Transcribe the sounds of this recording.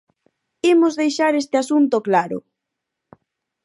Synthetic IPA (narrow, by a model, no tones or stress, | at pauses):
imozðejʃaɾest̪ɪasunt̪oklaɾʊ̰